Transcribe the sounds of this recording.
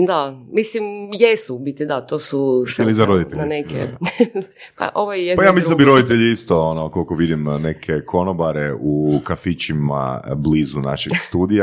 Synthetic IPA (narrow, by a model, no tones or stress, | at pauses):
d̪amislimjesubit̪id̪at̪oːsusilizaɾod̪it̪eʎaneke | pa̰ʔoʋajjepajaːmislld̪biɾo̞d̪it̪eʎiist̪oonokolkoʋid̪imnekʰekʰo̞nobaɾeukafit͡ʃima̰bliːzuna̰ʃeɡst̪uːd̪ija